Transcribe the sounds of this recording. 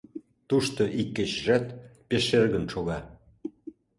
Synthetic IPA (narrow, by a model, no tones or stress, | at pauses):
t̪uʃt̪oʔikːet͡ɕʒæt̪peʃerɣənʃoɣɑ